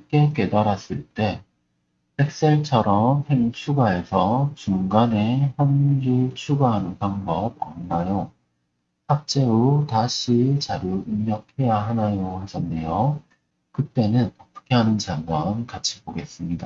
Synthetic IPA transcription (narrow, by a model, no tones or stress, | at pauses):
k͈e̞k͈e̞daɾas͈ɯɭt͈e̞ | tʰe̞k̚s͈eɭt͡ɕʰʌɾʌmhe̞ŋt͡ɕʰuɡae̞sʰʌt͡ɕuŋɡane̞çjʌnd͡ʑiɭt͡ɕʰuɡaɦanɯnpaŋbʌb̚a̰nnajo | hak̚t͡ɕ͈e̞ɾotaɕʰit͡ɕaɾjuimːjʌk̚ʰhe̞jaɦanajohad͡ʑʰʌnːe̞jo | kɯt͈e̞nɯnʌpʰɯ̥kʰeɦanɯnt͡ɕaɡwankat͡ɕʰi̥boɡe̞s͈ɯmɲida